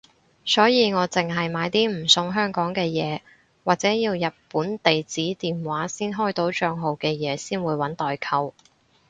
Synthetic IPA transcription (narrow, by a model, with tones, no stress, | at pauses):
sɔː˨˥jiː˨˧ŋɔː˨˧t͡sɪ˨ŋɦɐ˨jmaː˨˧jt̪iː˥m̩˨˩sʊ˧ŋɦœː˥ŋkɔː˨˥ŋkɛː˧jɛː˨˧ | waː˨˩t͡sɛː˨˥jiː˧wjɐ˨t̚puː˨˥nt̪e˨jt͡siː˨˥t̪iː˨nwaː˨˥siː˥nɦɔː˥jt̪o˨˥wt͡ʃœː˧ŋɦo˨wkɛː˧jɛː˨˧siː˥nwuː˨˧jwɐ˨˥nt̪ɔː˨jkʰɐ˧w